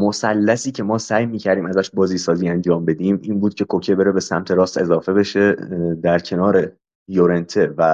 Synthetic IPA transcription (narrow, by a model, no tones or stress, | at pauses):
mosælːæsiːcʰe̞mɒːsæːjmiːcʰæɾd̪iːmæzæʃbɒːziːsɒːziːænd͡ʒɒːmbe̞d̪iːmiːnbuːd̪̚cʰe̞kʰocʰebe̞ɾebe̞sæmt̪ʰe̞ɾɒːst̪e̞zɒːfe̞be̞ʃe̞d̪æɾcʰe̞nɒːɾe | joɾe̞nt̪ʰe̞væ